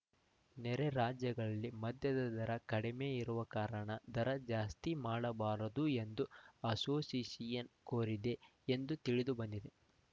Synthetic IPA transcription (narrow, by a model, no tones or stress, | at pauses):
nɛɾeɾaːd͡ʒjɐɡɐɭɐlːimɐd̪jɐd̪ɐd̪ɐɾɐkɐɽime̞ːiɾuʋɐkaːɾɐɳɐd̪ɐɾɐd͡ʒaːst̪imaːɽɐbaːɾɐd̪ue̞nd̪uɐsoːsiːsijɐnkoːɾid̪e̞ | end̪ut̪iɭid̪ubɐnd̪id̪e̞